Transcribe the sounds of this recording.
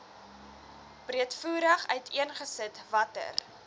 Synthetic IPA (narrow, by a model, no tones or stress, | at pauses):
b̥riətfuːɾəχœɥtʰiənχəsətvɐtə̰r